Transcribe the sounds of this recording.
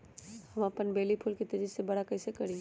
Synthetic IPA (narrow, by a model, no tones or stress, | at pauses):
hɐməpənbeːlipʰʊlket̪ɐɾisebɐɽakɐɪsekəɾĩ